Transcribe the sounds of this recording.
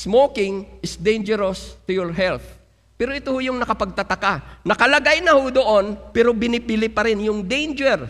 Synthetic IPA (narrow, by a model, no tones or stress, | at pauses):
smokɪŋʔɪsd̪ejnd͡ʒɛɾɐst̪ʊjɔɹɦɛlθ | pɛːɾoʔɪt̪ohojʊŋnɐkɐpɐɡ̚t̪ɐt̪ɐkanɐkɐlɐɡajnɐhod̪o̞ʔo̞npɛɾo̞bɪnɪpɪlɪpɐɾɪnjʊŋd̪ejnd͡ʒɛɹ